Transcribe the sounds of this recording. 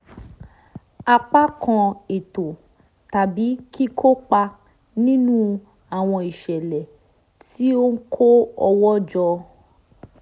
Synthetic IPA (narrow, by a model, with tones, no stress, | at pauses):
a˧k͡pa˦kã˧e˨to˨ | ta˨bi˨˦ki˦kʰo˦k͡pa˧ | nĩ˦nũ˦ | a˨w̃ɔ̃˧i˨ʃɛ˨lɛ˨ | ti˦o˦ŋ̩˦kʰo˦ɔ˧wɔ˦d͡ʒɔ˧